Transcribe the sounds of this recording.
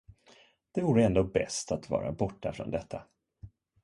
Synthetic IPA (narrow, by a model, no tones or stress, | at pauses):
d̪̥ɛvuːɾəɛnd̪oːbɛ̰st̪ʰat̪vɑ̰ːɾa̰ɛbɔʈːafɾɔ̰nd̪ɛt̪ʰːa